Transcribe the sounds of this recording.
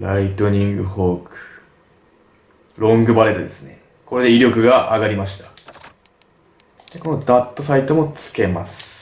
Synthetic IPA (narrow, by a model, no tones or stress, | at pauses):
ɾait̪o̞ɲ̟ĩŋɡɯ̟ho̞ːkɯ̟̥ | ɾõ̞ŋɡɯ̟baɾe̞t̪od̪e̞sɨne̞ | ko̞ɾe̞d̪e̞iɾʲo̞kɯ̟ɡaʔaɡaɾʲimaɕi̥t̪ḁ | d̪eko̞no̞d̪at̪ːo̞sait̪o̞mo̞t͡sɨ̥ke̞masɨ̥